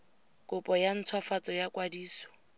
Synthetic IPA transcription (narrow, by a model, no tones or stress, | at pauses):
kʼʊpʼɔjan̩t͡sʰwafat͡sʼɔjakʼwadiːsɔ̥